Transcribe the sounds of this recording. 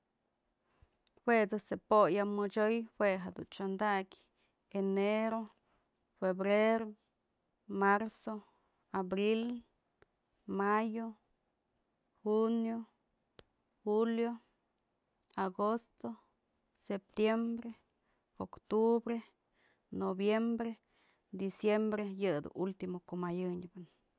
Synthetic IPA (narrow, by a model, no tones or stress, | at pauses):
xwedasepojamot͡ʃojxweɦad̪ṵnt͡ʃond̪akʲ | eneɾo | febɾeɾo | maɾso | abɾil | majo | hunjo | huljo | aɡost̪o | sep̚t̪jembɾe | okt̪ubɾe | nobjembɾe | d̪isjembɾejɨd̪ṵʔult̪imokomajɨɲbɨn